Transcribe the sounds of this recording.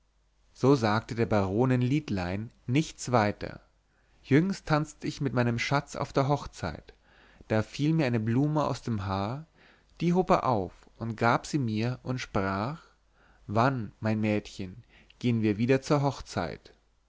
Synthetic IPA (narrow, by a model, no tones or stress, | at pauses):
z̥oːzaːk̚tədeːɐbaʁoːnɪnliːtlaɪnː | ɪçt͡sv̥aɪtʰɐ̰ | jʏŋstʰːant͡stəɪçmɪt̚maɪnəmʃat͡sʔa̰ʊfd̥eːɐɦɔχt͡sa̰ɪt | d̥aːfiːlmiːɐaɪnəbluːməa̰ʊsd̥eːmɦaːɐ | d̥iːɦoːpḛːɐʔaʊf | ʔʊntɡ̥aːpz̥iːmiːɐʔʊntʃpʁ̥aːx | vanmaɪnmɛːtçən | ɡ̥eːənviːɐviːdɐt͡suːɐɦɔχt͡sa̰ɪt